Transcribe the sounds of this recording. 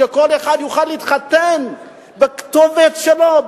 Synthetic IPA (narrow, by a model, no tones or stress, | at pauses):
eko̞leχad̪juχalːiit̪χat̪en | bekt̪ovet̪ʃelo